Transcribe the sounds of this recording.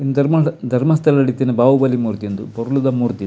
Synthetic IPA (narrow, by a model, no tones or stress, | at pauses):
ind̪ɐɾmɐd̪ʱɐɾmɐst̪ʰɐlɐɐɽit̪ːenebaːʋubɐlimuːɾt̪ijɐnd̪upɔɾulud̪ɐmuːɾt̪i